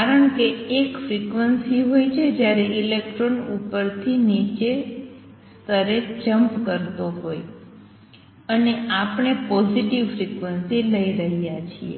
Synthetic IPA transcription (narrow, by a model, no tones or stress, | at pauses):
kaɾəɳkeːkfɾikʋənsiɦojt͡ʃʰed͡ʒjaɾeʔilekʈɾonupəɾt̪ʰinit͡ʃe | st̪ʰəɾed͡ʒəmpkəɾt̪oɦoj | əneapɳepɔziʈiʋfɾikʋənsiləiɾəɦijat͡ʃʰḭḛ